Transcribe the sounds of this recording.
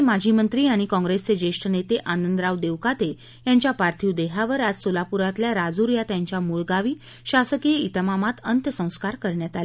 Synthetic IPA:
mad͡ʑʱimənt̪ɾiːaɽ̃ikɔ̃ŋɡɾest͡sed͡ʑeʂʈʰənet̪eʔanənd̪ɾaʋd̪eʋkat̪e | jãɲt͡ɕjapaɾt̪ʰiwd̪eɦaʋəɾad͡zsolapuɾat̪ljaɾad͡zuɾjat̪jaɲt͡ɕjamuɭɡaʋiː | ɕasəkijəit̪əmamat̪ənt̪əsə̃w̃skaɾkəɾɳjat̪al

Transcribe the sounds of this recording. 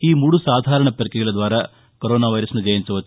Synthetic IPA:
iːmuɽusaːd̪ʱaːɾɐɳɐpɐɾkɛɡɐɭɐd̪ʋaːɾɐ | koɾoːnaːʋɐjɾɐsnud͡ʒɐjɐnsuʋɐt̪ː

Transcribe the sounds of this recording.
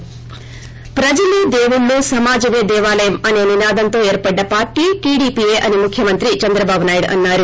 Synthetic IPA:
pɾɐd͡ʒɐlid̪eːʋuɭːusɐmaːd͡ʒɐʋeːd̪ɛːʋaːlɐjɐmɐne̞ːninaːd̪ɐnt̪o̞ːeːɾpɐɖːɐpaːɾʈiːʈiːɽiːpieːʔɐnimukʰjɐmɐnt̪ɾit͡ʃɐnd̪ɾɐbaːbʱunaːjiɽɐ̰nːaːɾu

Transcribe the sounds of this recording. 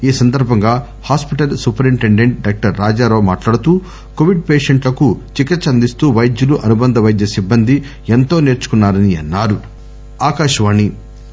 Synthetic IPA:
iːsɐnd̪ɐɾbʱɐŋɡaː | haːspiʈɐlsupɐɾiɳʈe̞ɳɖe̞ɳʈ̚ɖaːk̚ʈɐɾːaːd͡ʒaːɾo̞ːmaːʈlaːɽut̪uː | ko̞ʋiɖ̚peːʂeɳʈlɐkut͡ʃikːɐt͡ʃːɐnd̪ist̪uːʋɐjd̪juluʔɐnubɐnd̪ɐʋɐjd̪jɐsibːɐnd̪ʱi | e̞nt̪o̞ːne̞ːɾt͡ʃu̥kunːaːɾɐniɐ̰nːaːɾu | aːkaːʃɐʋaːnːi

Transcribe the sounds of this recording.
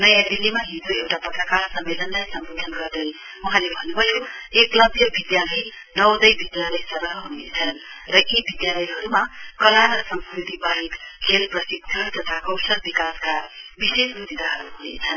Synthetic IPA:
nʌjãd̪ilːimaɦid͡zoewʈapʌt̪rʌkarsʌmːelʌnlajsʌmbod̪ʱʌnɡʌrd̪ʌj | uɦãlebʱʌnubʱʌjoeklʌbʱjʌbid̪jalʌj | nʌwd̪ʌjbid̪jalʌjsʌɾɦʌɦunḛt͡sʰʌn | rʌʔibid̪jalʌjɦʌɾumakʌlanːʌsʌmskɾit̪ibaɦikkʰelprʌsiɡ̚d̪ʰʱʌt̪ʌt̪ʰakʌwsʌlbikaskabisesbud̪id̪aɦʌɾṵɦunḛt͡sʰʌn

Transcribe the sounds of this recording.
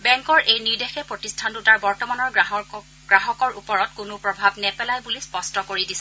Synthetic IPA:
bɛŋkɔɹʔejniɹdexɛpɹotistʰantutaɹbɔɹtɔmanɔɹ | ɡ̥ɹaɦɔkɔɹʔupɔɹɔtkʊnʊpɹɔbʱabnɛpɛlajbulispɔstɔkoɹidisɛ

